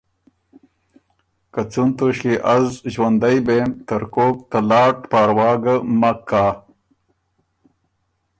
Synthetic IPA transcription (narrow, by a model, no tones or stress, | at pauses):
kat͡sunt̪oɕkiʔɐzʑwɐnd̪ajbemt̪ɐɾkoːk̚t̪ɐlaːʈpaːɾwɑːɡəmɐkːaː